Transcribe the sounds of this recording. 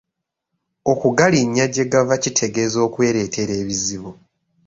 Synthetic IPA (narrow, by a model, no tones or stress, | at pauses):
o̞kuɡaliɲːaɟe̞ɡavacitʰe̞ɡe̞ːzo̞ːkwe̞ːɾe̞ːtʰe̞ɾe̞ːβiziβo